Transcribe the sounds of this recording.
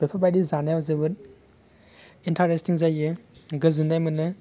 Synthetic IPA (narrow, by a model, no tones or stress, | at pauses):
b̥epʰabajdizanajawzɯbɯt | intʰaɾestiŋzajɯɡɯzɯndajmɯnɯ